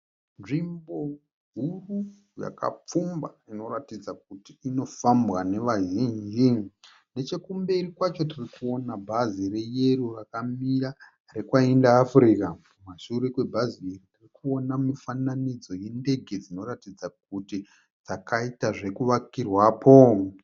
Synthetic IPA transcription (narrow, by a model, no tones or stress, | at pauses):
nʐimbo̞ | ɦuru | ja̰ka̰p͡fumbaino̞ɾatid͡zak̚utiːno̞fambwane̞ʋaʒiːnd͡ʒi | ne̞t͡ʃe̞kumbe̞rikwat͡ʃo̞tirikuo̞nabʱazire̞je̞rurakamiɾa | re̞kwaindaːfriːka | maʃuɾekwe̞bʱaziːritirikuo̞namifananid͡zo̞jende̞ɡʱe̞d͡zino̞ratid͡zak̚uti | d͡zakaitaʐe̞kuʋakirwaːpʰo̞